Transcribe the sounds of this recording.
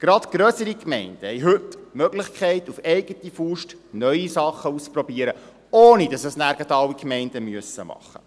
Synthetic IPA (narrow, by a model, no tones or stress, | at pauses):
ɡ̥ɾɑtɡ̥ɾœːsəɾikmɛɪnd̥əhɛɪɦɵtmœɡlɪχkχɛɪtufɛɪɡ̥ətifuʃtnœʏisɑχːəust͡spɾɔbiəɾə | oːnidɑsəsnæːɾɡɑtɑwːikmɛɪnd̥əmyəsːəmɑ̰χːə̰